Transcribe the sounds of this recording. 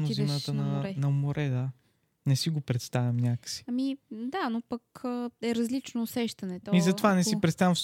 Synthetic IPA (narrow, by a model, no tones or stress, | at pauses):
nozinat̪ənɐnɐmoɾʔɛd̪a | nɛsiɡopɾɛt̪st̪avʲɐmnʲakə̥si̥ɐmid̪anopəkəɛɾɐzlit͡ʃnoːsɛʃt̪ɐnɛt̪ɔizɐt̪ovanɛsipɾɛt̪st̪avʲjɐ̃ɱfs